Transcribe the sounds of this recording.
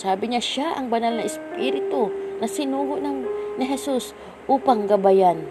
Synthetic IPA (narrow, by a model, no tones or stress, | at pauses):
saːbɪɲaʃaʔɐŋbɐnalnɐʔɪspiɾɪt̪onɐsɪnuːɡʊʔnɐŋnɪɦɛsus | ʔuːpaŋɡɐbajan